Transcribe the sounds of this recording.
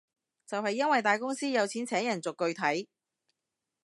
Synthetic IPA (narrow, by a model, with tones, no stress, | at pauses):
t͡sɐ˨whɐ˨jːɐ˥nwɐ˨jt̪aː˨jkʊ˥ŋsiː˥jɐ˨˧wt͡sʰiː˨˥nt͡sʰɛː˨˥ŋjɐ˨˩nt͡sʊ˨kːɵ˧ɥt̪ʰɐ˨˥j